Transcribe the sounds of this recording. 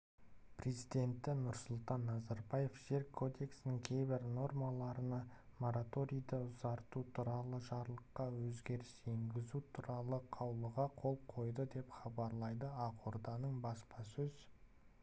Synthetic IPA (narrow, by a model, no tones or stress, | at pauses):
pre̞zijd̪e̞nt̪ːɪnʊɾsʊlˠt̪ɑnːɑzɑɾbɑje̞fʒ̥e̞ɾkʰo̞d̪e̞ksɪnɪŋkʲʰe̞jbɪɾno̞rmɑlˠɑɾənɑmo̞ɾat̪o̞ɾʲijd̪əʊzɑɾt̪ut̪ʰuɾɑlˠəʒɑɾlˠəqːɑwɵzɡʲe̞ɾɪse̞ŋɡʲɪzut̪ʰuɾɑlˠəqʰɑwlˠəʁɑqʰo̞lˠqʰo̞jd̪əd̪e̞pχɑbɑɾlˠɑjd̪əɑqʰoɾd̪ɑnəɴbɑspɑsɵz̥